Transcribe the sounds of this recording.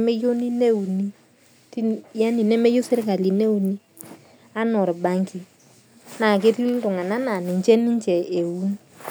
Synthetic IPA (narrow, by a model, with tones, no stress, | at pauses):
me˦jo˦ni˦ne˦u˨ni˦ | ti˦ja˦ni˨nɛ˦me˦jo˦se˦ɾka˨li˨ne˦u˨ni˦ | a˦nɔ˨ɾba˨ŋki˨ | na˨k̬ɪ˦ɾi˦ltʊ˨ŋa˨na˦na˨nɪ˨ɲt͡ʃɛ˦ni˦ɲt͡ʃɛ˨ʔe˨wu˦n